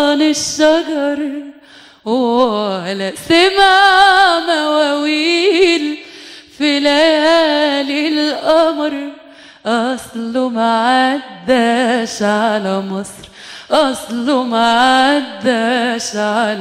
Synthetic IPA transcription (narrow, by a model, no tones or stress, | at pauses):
nɪʃːɑɡɑɾˤ | w | lasamamawawiːlfilajæːlɪlʔɑmɾ | ʔɑsˤlʊmaʕad̪ːaʃʕʕalamɨsˤɾ | ʔɑsˤlʊmaʕaad̪ːaʃʕal